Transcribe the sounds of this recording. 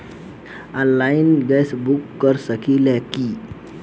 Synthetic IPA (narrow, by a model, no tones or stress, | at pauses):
ə̃nlainɡɛsbukːəɾsəkilaki